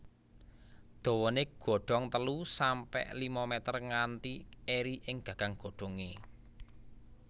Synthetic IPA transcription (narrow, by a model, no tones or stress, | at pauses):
d̪̥ɔ̤wɔneɡ̥ɔ̤ɖ̥ɔŋt̪əlusampɛ̰ʔlimamɛt̪ərŋant̪ieɾiʔɪŋɡ̥ä̤ɡ̥aŋɡ̥o̤ɖ̪̥o̤ŋe